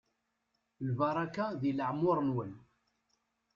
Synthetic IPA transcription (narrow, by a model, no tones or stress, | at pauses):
lbɑɾˤɑkaðiləʕmːʊɾˤnwən